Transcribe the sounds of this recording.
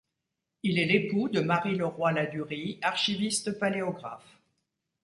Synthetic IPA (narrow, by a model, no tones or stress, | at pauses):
ilɛlepud̪əmaʁiləʁwalad̪yʁiaʁʃivist̪paleɔɡʁaf